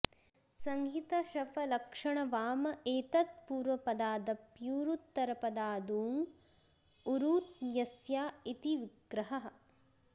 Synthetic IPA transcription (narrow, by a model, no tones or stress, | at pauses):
sɐŋɡʱit̪ɐʃɐfɐlɐkʂɐɳɐʋaːmɐeːt̪ɐt̪̚puːɾʋɐpɐd̪aːd̪ɐpjuːɾut̪ːɐɾɐpɐd̪aːd̪uːŋ | uɾuːt̪jɐsjaːit̪iʋiɡɾɐɦɐɦɐ